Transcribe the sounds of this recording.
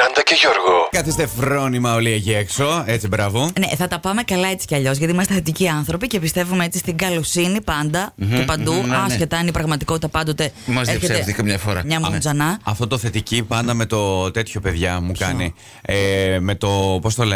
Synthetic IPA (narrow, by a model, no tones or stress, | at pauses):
kɐnd̪ɐceʝoɾɣokɐθist̪e̞fɾo̞nimɐo̞lieʝekso̞e̞t͡sibɾɐvo̞neθɐt̪ɐpɐme̞kɐlɐe̞t͡si̥ceɐʎo̞zʝɐt̪iimɐst̪eθet̪iciɐnθɾo̞pice̞pist̪e̞vumeet͡sist̪iŋɡɐlosinipɐnd̪ɐupɐnd̪uɐsce̞t̪ɐinipɾɐɣmɐt̪iko̞t̪it̪ɐpɐnd̪ot̪emɐzðeifçeseeft̪ikɐmɲɐfoɾɐ̰mɲɐmuzɐnɐɐft̪o̞t̪oθe̞t̪icipɐnd̪ɐme̞t̪o̞t̪e̞t̪ço̞pe̞ðʝɐmukɐni | eme̞t̪o̞post̪ole